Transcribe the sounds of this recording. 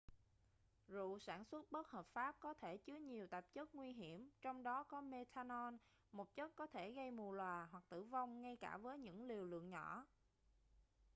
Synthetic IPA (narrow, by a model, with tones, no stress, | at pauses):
zṵ˧˨saː˧˩nswə˦˥t̚ɓə˦˥t̚həː˨˩p̚faː˦˥p̚kɔ˨˦t̪ʰe˧˩t͡ɕɨ˨˦əɲi˨˩əwt̪ə˨˩p̚t͡ɕə˦˥t̚ŋwi˧ɦi˧˩əmt͡ɕɔ˧wŋ͡mɗɔ˨˦kɔ˨˦me˧t̪ʰaː˧nɔ˧n | mo˨˩t̚t͡ɕə˦˥t̚kɔ˨˦t̪ʰe˧˩ɣə˧jmu˨˩əlwaː˨˩ɦwa˨˩k̚t̪ɨ̰˧˩va˧wŋ͡mŋa˧jkaː˧˩vəː˨˦jɲɨ̰˧˥ŋli˨˩əwlɨ̰˧˨əŋɲɔ̰˧˩˥